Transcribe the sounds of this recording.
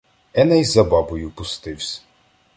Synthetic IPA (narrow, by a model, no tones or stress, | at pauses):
ɛnɛjzɐbɑbʊjʊpʊst̪ɪwsʲ